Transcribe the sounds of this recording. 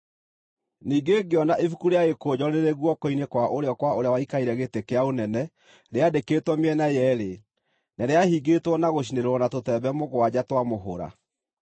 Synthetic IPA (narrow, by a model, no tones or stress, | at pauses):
niːɡeɡeɔnaʔefukuɾeaɣekoːd͡ʑɔneɾeɣwɔkoinekwaʔoɾeɔkwaoɾeawaikaiɾɛɣetekeaonɛnɛ | ɾeadekeːtwɔmɛnajɛɾe | naɾeahiɡetwɔnaɣoɕ̬ineɾwɔnatotɛbɛmoɣowad͡ʑatwamoɦo̰ɾa̰